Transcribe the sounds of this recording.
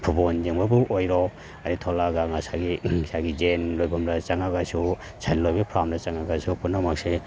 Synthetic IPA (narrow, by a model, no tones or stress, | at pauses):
pʰubond͡ʒembabuʔojɾɔ | aɾitʰɔlaɡaŋasaɡiisaɡid͡ʒenlojbʱɔmɾat͡ʃaŋaɡasu | sʰajllojbapʰɾamdat͡ʃaŋaɡasupunːamak̚se